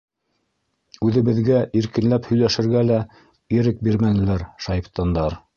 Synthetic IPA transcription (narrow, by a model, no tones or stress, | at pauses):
ʉðɘ̆βɘ̆ðɡæʔiɾkɘ̆nlæphɵ̆jlæʃɘ̆ɾɡælæ | iɾɘk̚biɾmænɘ̆læɾʃɑjpt̪ɑnd̪ɑɾ